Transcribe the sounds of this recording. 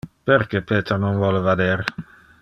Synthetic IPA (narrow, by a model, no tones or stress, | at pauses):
pɛɾkɛpʰeːt̪ɾanɔnvɔləvad̪ɛɾ